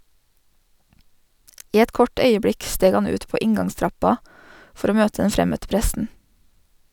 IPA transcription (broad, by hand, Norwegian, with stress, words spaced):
ˈiː ˈɛt ˈkɔʈ ˈœʏəˌbɽɪk ˈsteːɡ ˈɑn ˈʉːt ˈpoː ˈɪŋɡɑŋˌstɾɑpɑ ˈfɔɾ ˈoː ˈmøːtə ˈɛn ˈfɾɛmœtə ˈpɾɛsn̩